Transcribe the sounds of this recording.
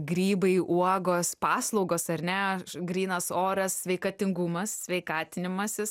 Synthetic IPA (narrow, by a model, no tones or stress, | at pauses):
ɡɾʲiːbɐɪʔuɔɡoːspɑːslˠɔʊɡoːsɐɾʲnʲɛɡɾʲiːnɐsoːɾɐssʲʋʲɛɪkɐt̪ʲɪŋɡʊmɐssʲʋʲɛɪkɑːt̪ʲɪnʲɪmɐsʲɪs